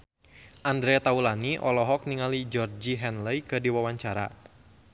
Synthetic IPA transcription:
ʔand̪ɾɛt̪aulaniʔɔlɔɦɔk̚niŋalid͡ʒɔrd͡ʒiɦɛnləjkɨdiwawaɲt͡ʃaɾa̰

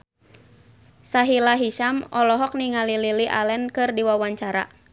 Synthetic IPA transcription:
saɦilaɦiʃamɔlɔɦɔk̚niŋalililiʔa̰lɛnkɨrdiwawaɲt͡ʃaɾa̰

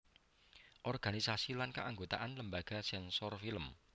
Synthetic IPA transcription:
ʔɔrɡ̥anisasilankaʔaŋɡot̪aʔanləmbaɡ̥a̤sɛnsɔrfiləm

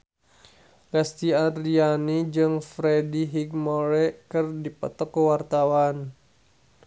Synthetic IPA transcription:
ɡast̪iadɾianid͡ʒɨŋfɾɛdiɦiɡmɔɾɛkɨrdipɔ̰t̪ɔkːəwart̪awan

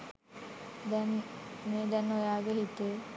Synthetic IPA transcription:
d̪ɛnmeːd̪ɛnːojaːɡeɦit̪e

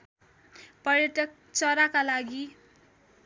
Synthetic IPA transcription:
pʌrjʌʈʌk̚ | t͡sʌɾakalaɡi

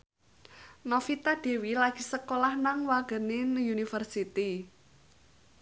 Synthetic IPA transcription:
nɔfit̪aɖ̥e̤wilaɡ̥i̤səkolahnaŋwaɡ̥ə̤nenjunifərsit̪i

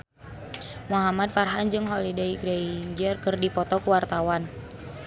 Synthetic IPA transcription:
muɦamad̚farɦand͡ʒɨŋɦɔlidɛiɡɾɛiɲd͡ʒərkɨrdipɔt̪ɔkuwart̪awan

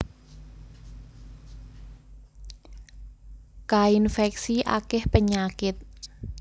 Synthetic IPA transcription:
kainfɛk̚siʔa̰kɪhpəɲakɪt̪̚

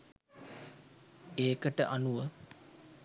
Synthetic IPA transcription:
eːkəʈə̰ʔanuʋə

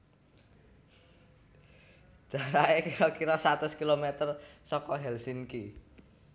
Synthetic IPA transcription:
ʒ̥a̤ɾaekiɾɔkiɾɔsat̪ʊskilomet̪ərsɔkɔɦɛlsinki

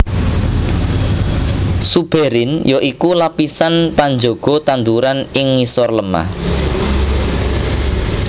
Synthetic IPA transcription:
sub̥eɾɪnjoʔikulapisanpand͡ʒoɡ̥ɔ̤t̪and̪uɾanɪŋːisɔrləma̰h

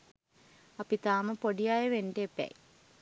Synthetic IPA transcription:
ɐpit̪aːmɐpoɽijaːjɐʋendeːpːja̰ːj

